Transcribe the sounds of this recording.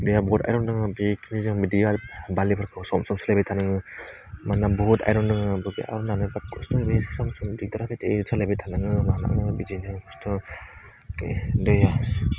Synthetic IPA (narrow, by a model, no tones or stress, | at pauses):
dɯjabɔta̰jɾɔnɯŋɯbikʰnizɯŋbidiabalipʰaɾkʰɯsɔmsɔmsalabetʰanɯŋɯ | manabuta̰jɾɔnɯŋɯbɯɡḭa̰ɾɔnanbat̚kʰɔstɔbesi̥samsɔmdidɔɾapʰeteisalebetʰanɯŋɯmana̰ŋɯbid͡ʒinɯkɔstʰɯ | kḛdɯja